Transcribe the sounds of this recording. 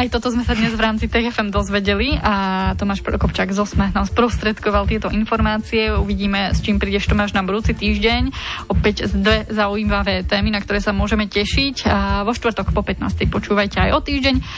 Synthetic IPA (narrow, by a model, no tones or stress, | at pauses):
ajt̪ɔt̪ɔzmɛsad̪ɲɛzʋɾaːmt͡sit̪ɛːɣɛfɛmd̪ɔzʋɛɟɛliat̪ɔmaːʃpɾɔ̰kɔpt͡ʃaːɡzɔsmɛɦnaspɾɔst̪ɾɛt̪kɔʋalt̪ɪɛt̪ɔʔinfɔɾmaːt͡siɛuʋiɟiːmɛst͡ʃiːmpɾiːɟɛʃt̪ɔmaːʒnabud̪uːt͡sit̪iːʒɟɛɲɔpɛɟzd̪ʋɛzaujiːmaʋɛːt̪ɛːminakt̪ɔɾɛːsamʊɔʒɛmɛcɛʃicʋɔʃt̪ʋrt̪ɔkpɔpɛt̪na̰ːst̪ɛjpɔt͡ʃuːʋajcɛajɔt̪iːʒɟɛɲ